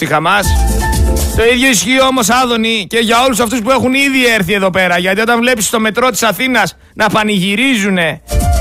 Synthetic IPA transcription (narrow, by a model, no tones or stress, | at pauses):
ixɐmɐs | t̪oiðʝo̞isçioomo̞sɐðo̞nice̞ʝɐo̞lusɐft̪us̬pue̞xuniðie̞ɾθie̞ðo̞pe̞ɾɐʝɐt̪io̞t̪ɐɱvle̞pist̪o̞me̞t̪ɾo̞t̪i̥sɐθinɐs | nɐpɐniʝiɾizune̞